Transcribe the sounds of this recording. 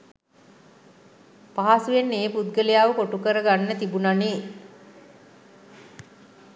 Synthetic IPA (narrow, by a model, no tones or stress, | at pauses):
paɦasujenːeːpud̪ɡəlejaːʋəkoʈukəɾəɡanːət̪ibunaneː